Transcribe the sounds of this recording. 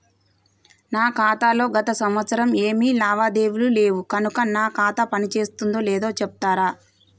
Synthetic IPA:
naːkaːt̪aːlo̞ːɡɐt̪ɐsɐmʋɐt̪sɐɾɐme̞ːmiːlaːʋaːd̪e̞ːwulule̞ːʋukɐnukɐnaːkaːt̪ɐpɐnit͡ʃe̞ːst̪und̪o̞ːlɛːd̪o̞ːt͡ʃɛp̚t̪aːɾaː

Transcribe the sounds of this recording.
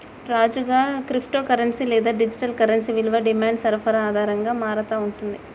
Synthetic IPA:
ɾaːd͡ʒuɡaːkɾipʰʈoːkɐɾɐnsilɛːd̪aːɖid͡ʒiʈɐlkɐɾɐnsiʋilʋɐɖimaːɳɖsɐɾpʰɐɾɐaːd̪ʱaːɾɐŋɡaːmaːɾɐt̪aːuɳʈund̪i

